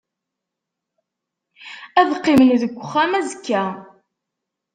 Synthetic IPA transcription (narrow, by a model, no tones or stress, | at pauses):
æðqːɪmənðəɡʷːʊχːæmæzəkːæ